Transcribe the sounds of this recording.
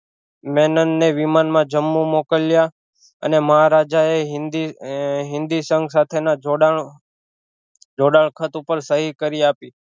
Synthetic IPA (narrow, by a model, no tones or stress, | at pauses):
mɛnənːeʋimanmãd͡ʒəmːumokəlja | ə̰neməɦaɾad͡ʒaeɦɪnd̪iɦɪ̃nd̪isəŋɡsat̪ʰena | d͡ʒoɽaɭkʰət̪upəɾsəɦikəɾiapi